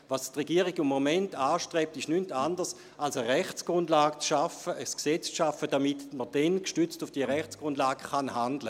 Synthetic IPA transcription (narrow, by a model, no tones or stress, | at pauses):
vastʁeɡiəʁiɡimːomɛntaːʃtʁɛːp̚tɪʃnyntandəs | alsəʁɛχt͡sɡ̥ʁʊndlaːɡ̥̚t͡sʃafəəsksɛt͡st͡sʃafədamitməd̥ɛnkʃtyt͡stufd̥iːəʁɛχt͡sɡ̥ʁʊndlaːɡəχanhandlə